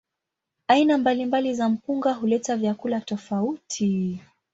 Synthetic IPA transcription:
ainambalimbalizam̩puŋɡaɦulɛtavjakulatɔfautʰi

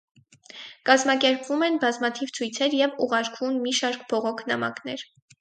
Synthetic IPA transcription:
kɑzmɑkɛɾpvumɛnbɑzmɑt̪ʰivt͡sʰujt͡sʰɛɾjɛvuʁɑɾkvunmiʃɑɾkb̥ɔʁɔkʰnɑ̰mɑ̰kn̪ɛɾ

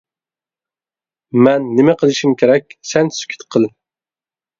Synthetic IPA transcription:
mɛnːɪmɛqʰəlˠɨʃimkʲʰeɾɛk̚ʲsɛnsy̥kʲʰy̥t̪qʰəlˠ

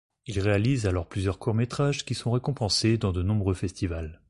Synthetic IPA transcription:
ilʁealizalɔʁplyzjœʁkʰuʁmet̪χaʒkʲisɔ̃ʁekɔ̃pɑ̃sed̪ɑ̃d̪ənɔ̃bʁøfɛst̪ival

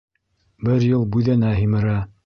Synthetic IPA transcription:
bɘɾjɤlˠbʉðænæɦimɘ̆ɾæ

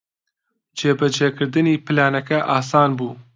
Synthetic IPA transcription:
d͡ʒeːbɨd͡ʒeːkɨɾd̪ɨniːpʰɨlaːnɛkɛʔaːsaːnbuː

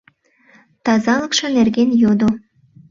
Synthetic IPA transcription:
t̪ɑzɑlɤkʃɤ̆nerɡenjod̪o

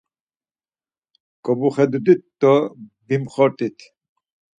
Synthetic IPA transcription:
kʼɔbuχɛd̪ud̪it̪ːɔbimχɔɾt̪ʼit̪ʰ

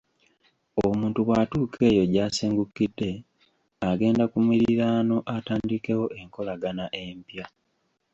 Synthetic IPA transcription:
omuːntuɣwatuːkʰe̞ːjo̞ɟaːseːŋɡukːidːe̞ | aɡe̞ːndakumiɾiɾaːno̞ʔataːndike̞wo̞ʔe̞ŋko̞laɡanaʔe̞mpja

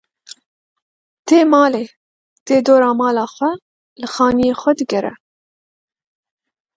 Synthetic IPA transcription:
t̪ʰeːmɑːleː | t̪eːd̪oːɾɑːmɑːlɑːxʷɛ | lɨxɑːnijeːxʷɛd̪ɨɡɛɾɛ̰

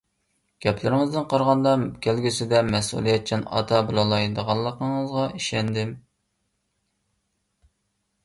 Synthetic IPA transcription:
ɡ̥ʲɛpʰlɪɾɪŋɨzd̪ɨnqʰɑɾʁɑnd̪ɑkʲʰælɡʲysɪd̪ɛmɛsṵlˠijɛt̪̚t͡ʃʰinɑ̰t̪ʰɑbɨlˠɑlˠɑjd̪əʁɑlˠːəqəŋəzʁɑiʃɛnd̪ɪm

